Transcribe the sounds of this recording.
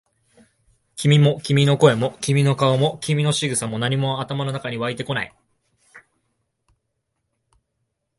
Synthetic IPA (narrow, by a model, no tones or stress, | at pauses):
kʲimʲimo̞kʲimʲino̞ko̞e̞mo̞kʲimʲino̞kaomo̞kʲimʲino̞ɕiɡɯ̟samo̞naɲ̟imo̞at̪amano̞nakaɲ̟iβait̪e̞ko̞na̰i